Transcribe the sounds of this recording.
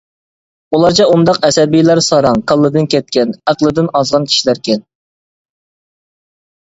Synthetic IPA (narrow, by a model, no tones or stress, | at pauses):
ulˠɑɾt͡ʃʰɛund̪ɑqɛsɛbijlæɾsɑɾɑŋkʰɑlˠːɨd̪ɨnkʲʰɛt̪̚kʲɛnæqlˠɨd̪ɨnɑzʁɑnkʲʰi̥ʃilæɾkʲɛn